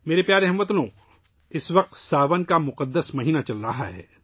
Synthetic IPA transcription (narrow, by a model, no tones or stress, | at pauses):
meːɾepjaːɾeɦɐmət̪lõ | ɪsʋɐq̚t̪saːʋənkamʊqəd̪ːəsmɐɦiːnat͡ʃɐlɾɐɦaɦɛ̰ː